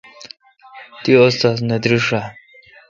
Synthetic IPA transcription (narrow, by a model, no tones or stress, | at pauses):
t̪iost̪as̬nɐd̪ɾiʂa